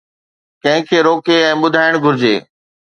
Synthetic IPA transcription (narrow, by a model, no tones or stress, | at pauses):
kɐ̃ɦɪ̃kʰeːɾoːkeɛ̃ːɓʊd̪ʱaːɪɽ̃ɡʱʊɾɪd͡ʑeː